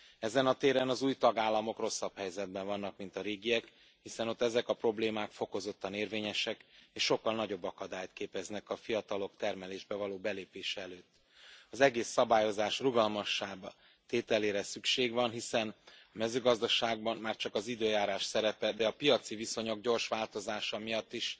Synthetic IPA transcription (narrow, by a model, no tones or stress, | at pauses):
ɛzɛnɒt̪eːɾɛnɒzuːjt̪ɒɡaːlːɒmo̞kro̞sːɒphɛjzɛd̪̚bɛɱvɒnːɒkmin̪t̪ɒɾeːɡijɛk | hisɛno̞t̪ːɛzɛkɒpro̞bleːmaːkfo̞ko̞zo̞t̪ːɒneːrveːɲɛʃɛkeːʃːo̞kːɒlnɒɟo̞bːɒkɒd̪aːjt̪keːpɛznɛkɒfijɒt̪ɒlo̞kt̪ɛrmɛleːʒbɛvɒloːbɛleːpeːʃɛɛløːt̪ː | ɒzɛɡeːsːɒbaːjo̞zaːʃruɡɒlmɒʃːaːbɒ | t̪eːt̪ɛleːɾɛsykʃeːɡvɒnɦisɛnɒmɛzøːɡɒzd̪ɒʃaːɡ̚bɒnmaːrt͡ʃɒkɒzid̪øːjaːɾaːʃsɛɾɛpɛd̪ɛɒpijɒt̪siviso̞ɲo̞ɡɟo̞rʃʋaːlt̪o̞zaːʃɒmijɒt̪ːiʃ